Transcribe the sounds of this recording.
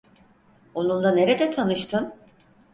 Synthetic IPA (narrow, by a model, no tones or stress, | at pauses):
o̞nunlˠane̞ɾed̪ɛt̪ʰanɯʃt̪ʰɯn